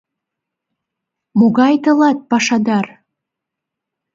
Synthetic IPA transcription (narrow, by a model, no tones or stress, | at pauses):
moɣɑjt̪ɤ̆lɑt̪̚pɑʃɑd̪ɑr